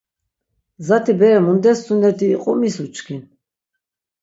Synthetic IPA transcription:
zat̪ʰibɛɛmund̪ɛsːunɛɾd̪ḭːqʼɔ̰misut͡ʃʰʼkʰin

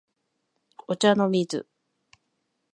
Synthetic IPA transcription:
ot͡ɕanomʲizɨ̰

